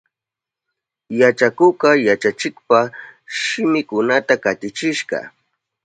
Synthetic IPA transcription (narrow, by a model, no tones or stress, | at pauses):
jat͡ʃakʊɢɑjat͡ʃat͡ʃɪkpaʃɪmɪkʊnat̪akat̪ɪt͡ʃɪʃɢɑ̰